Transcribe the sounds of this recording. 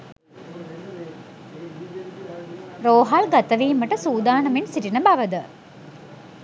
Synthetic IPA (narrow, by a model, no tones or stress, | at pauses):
ɾoːɦalɡat̪əʋiːməʈəsuːd̪aːnəmensiʈinəbaʋəd̪ə